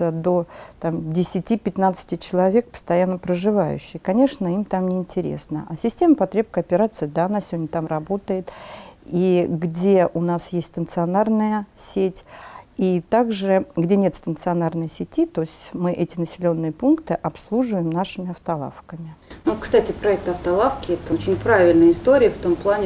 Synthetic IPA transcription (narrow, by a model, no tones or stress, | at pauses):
əd̪o̞t̪amdʲɪsʲɪtʲipʲɪt̪nat̪sɨ̥tʲɪt͡ɕɪlˠɐvʲe̞k̚pə̥st̪ɐjanːəpɾəʐɨvajʉ̰ɕːɪjkɐnʲe̞ʂnəimt̪amnʲɪɪnʲtʲɪɾʲḛsnə̰ʔasʲɪsʲtʲe̞məpɐt̪ɾʲe̞p̚kəɐpʲɪɾat̪sɨjd̪aɐnasʲɪvʲodʲnʲət̪amrɐbo̞t̪əjɪt̪iɡdʲe̞ʔʊnasjesʲt̪ʲsʲt̪ənt̪sɨɐnarnəjəsʲetʲit̪aɡʐɨɡdʲenʲe̞t̪st̪ənt̪sɨɐnarnɨjəsʲɪtʲit̪osʲtʲmɨʔɛtʲɪnəsʲɪlʲo̞nːɨjəpunkt̪ɨʔɐpslˠuʐɨvəjɪmnaʂɨmʲɪɐft̪ɐlˠa̰fkəmʲɪnvot̪̚kst̪atʲɪpɾɐɛk̚t̪ɐft̪ɐlˠafkʲɪɛt̪əot͡ɕɪnʲpɾavʲɪlʲnəjəɪst̪oɾʲɪjəft̪omplˠanʲɪ